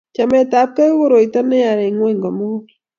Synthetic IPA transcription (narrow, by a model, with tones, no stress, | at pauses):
t͡ʃa˨mɛ˨t̪a˨p̚ka˦wo˦ɾo˨i˨t̪a˦nɛ˦a˨ɾe˨ŋwe˦ŋɡɔ˨mo˦